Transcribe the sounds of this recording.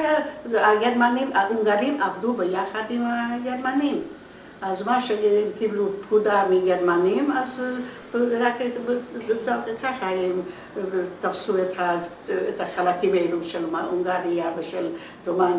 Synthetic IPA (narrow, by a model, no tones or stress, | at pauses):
aaɡeɾmanimaʔuŋɡaɾimʔavd̪ubəjaxad̪imaɡeɾmanim | azmaʃeimkibluppkʰud̪amiɡeɾmanimaz | bɾakbt͡sakʰaχaɛm | t̪afsuet̪ha | et̪ʰaχalakʰimejluʃelmaʔuŋɡaɾiavəʃel | doman